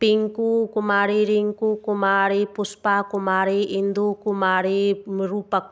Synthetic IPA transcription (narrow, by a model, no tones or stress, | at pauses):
piŋkukumaɾiɾiŋkukumaɾepuspakumaɾeʔind̪ukumaɾemɾupa